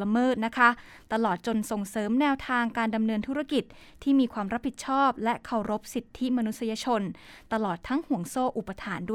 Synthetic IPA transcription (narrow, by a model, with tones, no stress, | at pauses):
la˧mɤː˥˩t̪̚na˦˥kʰa˦˥ | t̪a˧lɔː˨˩t̪̚t͡ɕo˧nso˨˩ŋsɤː˩˦mnɛː˧wt̪ʰaː˧ŋkaː˧nda˧mnɤː˧nt̪ʰu˦˥ɾa˥˩ki˨˩t̪̚ʰːiː˥˩miː˧kʰwaː˧mɾa˦˥p̚ʰːi˨˩t̪̚t͡ɕʰɔː˥˩p̚lɛ˦˥ʔkʰa˨˩wɾo˦˥p̚si˨˩t̪ʰːi˦˥ma˧nu˦t̪̚sa˧jaː˧t͡ɕʰo˧nt̪a˧lɔː˨˩t̪ʰːa˦˥ŋhu˩˦əŋsoː˥˩ʔu˨˩pːa˧t̪ʰaː˩˦nduː˥˩